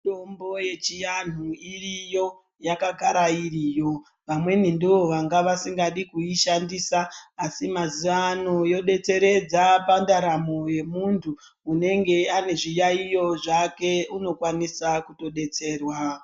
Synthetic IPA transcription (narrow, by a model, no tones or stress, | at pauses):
to̞mbo̞jet͡ʃijan̤uirijo̞ | jakakaɾairiːjo̞ | ʋamwe̞nindiʋo̞ʋaŋɡaʋasiŋɡaɗikuiʃandiːsaːsimaziʋano̞jo̞ɗe̞t͡se̞ɾe̞d͡zapandaɾamoje̞muntʰuː | ne̞ŋɡe̞ane̞ʐijaijo̞ʐake̞uno̞kwanisakuto̞ɗe̞t͡se̞ːrwa